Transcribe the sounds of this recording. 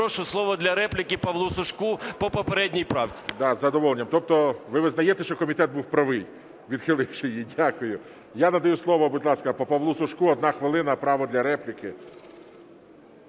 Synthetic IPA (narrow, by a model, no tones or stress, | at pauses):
ɔʃʊslˠɔʋɔd̪lʲɐɾɛplʲɪkɪpɐʋlˠusʊʃkupɔpɔpeɾɛdʲnʲijpɾɑwt͡sʲi̥d̪ɑzɐd̪ɔʋɔlˠenʲːɐmt̪ɔp̚t̪ɔʋɪʋɪznɐjet̪ɛʃt͡ʃɔkɔmʲit̪ɛd̪̚buwpɾɐʋɪj | ʋʲid̪̥xɪlˠɪwʃɪjidʲakʊjʊ | janɐd̪ɐjuslˠɔʋɔbʊd̪ʲlˠɑskɐpɔpɐʋlˠusʊʃkuɔd̪nɑxʋɪlˠɪnɐpɾɑʋɔd̪lʲɐɾɛplʲɪkɪ